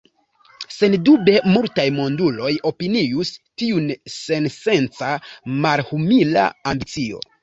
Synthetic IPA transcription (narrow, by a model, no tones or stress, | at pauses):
se̞ndube̞multajmo̞ndulo̞jo̞piniustiunse̞nse̞nt͡samalhumila̰ambit͡sio̞̰